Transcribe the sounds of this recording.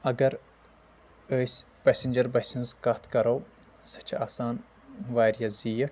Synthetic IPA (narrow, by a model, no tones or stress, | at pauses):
ɐɡɐɾ | əːsʲ | pɛsind͡ʒɐɾbesinzkɐt̪ʰkɐɾoː | sɐ̥t͡ʃʰaːsaːn | ʋaːɾijɐzijəʈ